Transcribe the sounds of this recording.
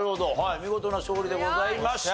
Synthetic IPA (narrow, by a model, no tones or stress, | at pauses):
ɯ̟hod̪oɦaimʲiɡo̞t̪o̞naɕoːɾʲid̪e̞ɡo̞zaimaɕ